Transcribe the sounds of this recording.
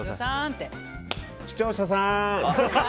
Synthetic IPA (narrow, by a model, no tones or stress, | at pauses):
sãnt̪e | çi̥t͡ɕoːɕas̬ã